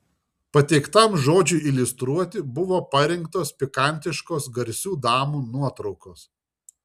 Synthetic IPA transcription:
pɐt̪ʲɛɪkt̪ɐmʒoːd͡ʒʲʊɪɪlʲʊst̪ɾuɔt̪ʲɪbʊʋoːpɐɾʲɪŋkt̪oːspʲɪkɐˑnʲt̪ʲɪʃkoːsɡɐɾʲsʲuːd̪ɑːmuːnuɔt̪ɾɒʊkoːs

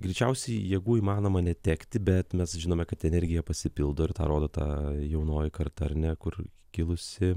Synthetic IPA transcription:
ɡɾʲɛɪt͡ʃʲɛʊsʲɛɪjiːɡuːiːmɑːnoːmɐnʲɛt̪ʲæːkt̪ʲɪbʲɛt̪mʲɛsʒʲɪnoːmʲɛkɐt̪ɛnʲɛɾʲɡʲɪjɛpɐsʲɪpʲɪlˠd̪oːɪɾt̪ɑ̰ːɾoːd̪oːt̪ɑ̰ːjɛʊnoːjɪkɐrt̪ɐɾʲnʲækʊr | kʲɪlˠʊsʲɪ

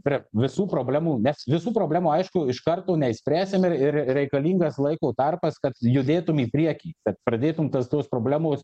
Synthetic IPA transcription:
pʲɾʲɛʋʲɪsuːpɾoːbʲlʲæːmuːnʲɛsʋʲɪsuːpɾoːbʲlʲæːmuːɐɪʃkʊɪʃkɐrt̪oːnʲɛɪsʲpʲɾʲæːsʲɪmɪrɪɾɾʲɛɪkɐlʲiːŋɡɐslˠɐɪkoːt̪ɐrpɐskɐt̪jʊd̪ʲeːt̪ʊmiːpʲɾʲiɛkʲiːkɐt̪̚pɾɐd̪ʲeːt̪ʊmt̪ɐst̪oːspɾoːbʲlʲæːmoːs

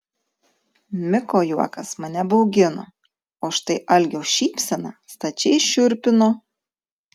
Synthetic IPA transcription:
mʲɪkoːjuɔkɐsmɐnʲɛbɐʊɡʲɪno̰ː | oːʃt̪ɐɪʔɐlʲɡʲoːʃʲiːpʲsʲɛnɑːst̪ɐt͡ʃʲɛɪʃʲʊɾʲpʲɪnoː

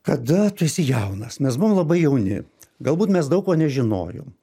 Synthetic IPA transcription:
kɐd̪ɐt̪ʊɪsʲɪjɛʊnɐsmʲɛsbʊʋːmlˠɐbɐɪjɛʊnʲɪ̰ɡɐlˠbuːt̪mʲɛsd̪ɐʊkoːnʲɛʒʲɪno̰ːjo̰ːm

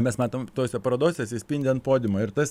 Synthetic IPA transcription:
mʲɛsmɑːt̪oːmt̪oːsʲɛpɐɾɐd̪oːsʲɛsʲɪsʲpʲinʲdʲɛɐnt̪poːd̪ʲɪmoːɪɾt̪ɐs

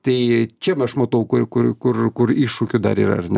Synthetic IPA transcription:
t̪ɐɪt͡ʃʲɛmɐʃmɐt̪ɐʊkʊrkʊrkʊrkʊriːʃukʲʊd̪ɐ̰ɾḭːɾɐ̰ɐrnʲɛ

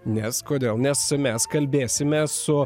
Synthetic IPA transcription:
nʲɛskoːd̪ʲeːlˠnʲɛsmʲɛskɐlʲbʲeːsʲɪmʲeːsːʊ

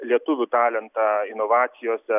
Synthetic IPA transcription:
lʲiɛt̪ʊʋʲʊt̪ɑːlʲɛnt̪ɑːɪnoːʋɑːt̪sʲɪjoːsʲɛ

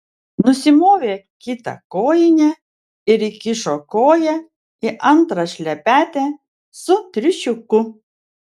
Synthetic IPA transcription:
nʊsʲɪmoːʋʲeːkʲɪt̪ɐ̰koːjɪnʲɛ | ɪɾikʲɪʃokoːjɛ | ɪʔɐnt̪ɾɐʃʲlʲɛpʲæːt̪ʲe | sʊt̪ʲɾʲɪʃʲʊkʊ

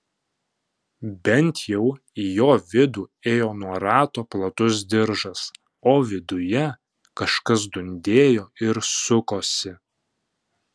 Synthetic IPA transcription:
bʲɛnʲt̪ʰjɛʊ | ijoːʋʲɪd̪uːeːjoːnuɔɾɑːt̪oːplˠɐt̪ʊs̬d̪ʲɪɾʒɐs | oːʋʲɪd̪ʊjɛ | kɐʃkɐs̬d̪ʊnʲd̪ʲeːjoːɪɾsʊkoːsʲɪ

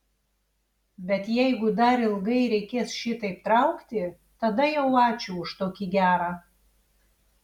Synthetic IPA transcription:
bʲɛt̪jɛɪɡʊd̪ɐɾɪlˠɡɐɪɾʲɛɪkʲeːsʃʲɪt̪ɐɪpt̪ɾɐʊkt̪ʲɪ | t̪ɐd̪ɐjɛʊɑːt͡ʃʲuʊʃt̪oːkʲiɡʲæːɾɑ

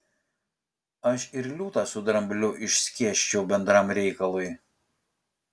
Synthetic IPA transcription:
ɐʃɪɾlʲuːt̪ɑsʊd̪ɾɐmʲbʲlʲʊʔɪʃʲsʲkʲiɛʃʲt͡ʃʲɛʊbʲɛnd̪ɾɑmɾʲɛɪkɐlˠʊɪ

